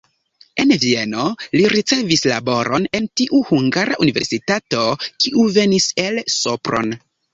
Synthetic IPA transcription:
e̞nvie̞no̞liɾit͡se̞visla̰bo̞ɾʔo̞ne̞ntiʔuhuŋɡaɾʔa̰ʔunive̞̰ɾsitato̞kiʔuve̞niselsopɾo̞̰n

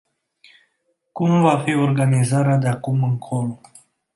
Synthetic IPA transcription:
kumvafiɔɾɡanizaɾad̪akuməŋkʰɔlo

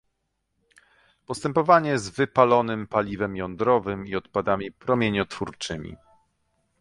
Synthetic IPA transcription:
pɔst̪ɛmpɔvaɲɛzvɘpalɔnɘmpalʲivɛmjɔnd̪ɾɔvɘmiɔt̪pad̪amʲipɾɔmʲjeɲɔt̪fuɾt͡ʂɘmʲḭ

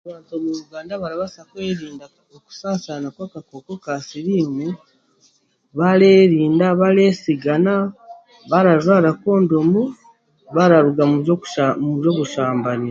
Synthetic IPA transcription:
aβaːntomuɾuɡaːndaβaɾaβasakwe̞ːɾiːnda | oku̥saːsanakwakakokokasiɾiːmu | βale̞ːɾiːndaβaɾe̞ːsiɡana | βaɾazwaːɾako̞ːndomu | βaɾaɾuɡamumuβjo̞ːβuʃaːmbani

